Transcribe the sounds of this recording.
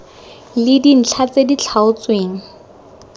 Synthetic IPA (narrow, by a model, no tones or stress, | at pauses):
lɪdin̩t͡ɬʰat͡sedit͡ɬʰaʊt͡sweːŋ̩